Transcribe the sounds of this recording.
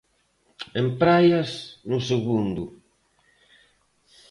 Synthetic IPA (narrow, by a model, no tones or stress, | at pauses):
empɾajasnuseɣund̪u